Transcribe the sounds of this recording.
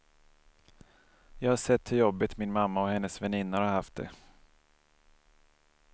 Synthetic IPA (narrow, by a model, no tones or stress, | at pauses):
jɑːɡhaʂɛt̪ʰːɵljɔbːɪt̪mɪnmamːaɔhɛnːəsvɛnɪnːaɾhaɾhaft̪̚d̪ɛ̰